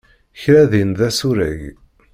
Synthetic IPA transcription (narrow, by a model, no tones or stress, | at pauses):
çɾæðinðæsuɾæ̰ʝ